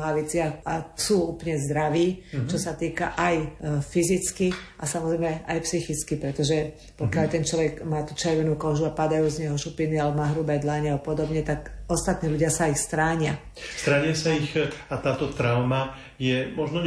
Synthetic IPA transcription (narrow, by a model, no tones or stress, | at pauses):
aʋɛt͡sɪaxasuːuplɲɛzd̪ɾaʋiːt͡ʃɔsat̪iːka̰ʔajfizit͡skiʔasamɔzɾɛjmɛʔajpsixit͡skipɾɛt̪ɔʒɛ | pɔkɪalt̪ɛnt͡ʃlɔʋɛɡmaːt̪uːt͡ʃɛɾʋɛnuːkɔʒuapad̪ajuːzɲɛɦɔʃupinialɛbɔmaːɦɾubɛd̪laɲɛapɔd̪ɔbɲɛt̪akɔst̪at̪niːʎuɟɪasaixst̪ɾaːɲɪa | st̪ɾaːɲɪasaixat̪aːt̪ɔt̪ɾaʊma | jɛmɔʒnɔɲ